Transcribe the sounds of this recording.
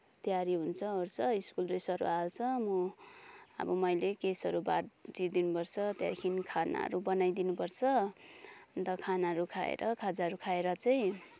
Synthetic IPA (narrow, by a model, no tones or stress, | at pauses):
t̪jaɾiɦunt͡sʰʌort͡sʰʌiskulresʌɾṵalt͡sʰʌmu | ʌ̰bʌmʌjlekesʌɾubard͡zid̪inupʌrt͡sʰʌt̪jaɾikʰinikʰana̰ʌ̰ɾubʌnajd̪inupʌrt͡sʰʌ | nt̪ʌkʰanaɦʌɾukʰaḛɾʌkʰad͡zaɦʌɾukʰaeɾʌt͡saj̃